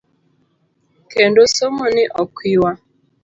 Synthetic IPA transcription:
kendosomonɪʔɔkʷiwa

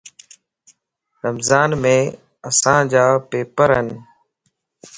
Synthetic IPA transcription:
ɾəmzaːnmẽː | əsãːd͡ʒaːpeːpəɾɦən

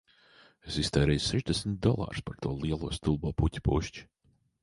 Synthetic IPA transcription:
esist̪ɛːɾɛjseʒd̪ɛsʲmt̪̚d̪ɔlˠa̰ːɾspaɾt̪uɔlˠiɛlˠuɔst̪ulˠbuɔputʲi̥puʃt͡ʃi̥

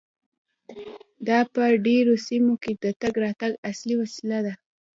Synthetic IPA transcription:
d̪ɑpəɖeɾosimoked̪ət̪aɡɾɑt̪aɡasliwasilad̪a

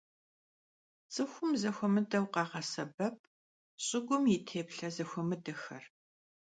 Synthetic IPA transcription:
t͡sʼɨxʷʊmzɐxʷɔmɨdɐwqɑːʁɐsɐbɐp̚ʰ | ɕʼɪɡʷʊmjɪtʰeːpɬɐzɐxʷɔmɨdɐxɐ̰r

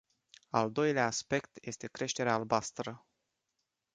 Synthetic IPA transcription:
a̰ld̪o̞jleaːspe̞kt̪je̞st̪e̞kɾe̞ʃt̪e̞ɾeaːlbast̪ɾə

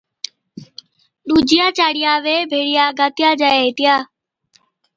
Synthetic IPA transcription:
ɗuːd͡ʒɪjaːt͡ʃaːɽɪjaːʋeːbʱeːɽɪjaːɡaːt̪ɪjaːd͡ʒaeet̪ɪjaː

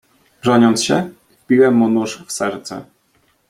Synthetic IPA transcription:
ʐɔɲɔnt̪sɕɛ | vpʲiwɛmːunuʂfsɛɾt̪sɛ̰

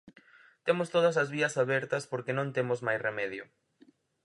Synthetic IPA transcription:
t̪emʊst̪oð̞ɐsɐzβiɐsaβɛɾt̪ɐspoɾkenõnt̪emʊzmajsremɛðjʊ

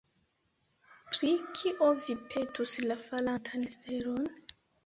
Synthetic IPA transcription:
pɾikʰiʔovipʰe̞tuslafalantʰanesteɾon

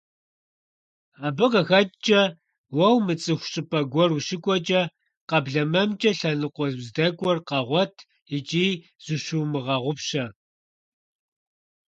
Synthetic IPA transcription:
aːbɨqɐxɐtʼt͡ʃʼɐ | wɐwmɨt͡sʼɨxʷɕʼɨpʰʼɐɡʷɔruʃɪkʷʼɔt͡ʃʼɐ | qɐbɮɐmɐmt͡ʃʼɐɬɐnɨqʷɔzzdɐkʷʼɔrqɐʁʷɔtʰ | it͡ʃʼiː | z̥uɕuwmɨʁɐʁʷʊpɕɐ

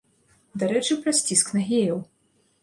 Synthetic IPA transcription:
d̪aɾɛt͡ʂɨpɾɐsʲt͡sʲisknɐɣʲejɐw

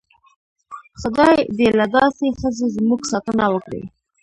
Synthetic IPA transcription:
xʊd̪ɑjd̪elad̪ɑsexəzezmuɡsɑt̪ənawəkɽḛ

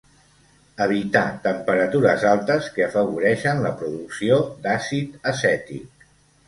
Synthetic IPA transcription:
əβ̞it̪at̪əmpəɾət̪uɾəzalˠt̪əskəəfəβuɾɛʃənləpɾuðuksiod̪asit̪əsɛt̪ḭk̚

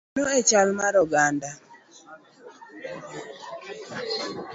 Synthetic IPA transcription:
oet͡ʃalmaɾɔɡanda

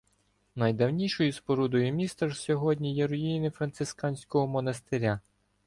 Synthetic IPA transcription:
nɐjd̪ɐwnʲiʃɔjispɔɾud̪ɔjʊmʲist̪ɐʒsʲɔɦɔdʲnʲijɛɾʊjijnɪfɾɐnt̪sɪskɑnʲsʲkɔɦɔmɔnɐst̪eɾʲa

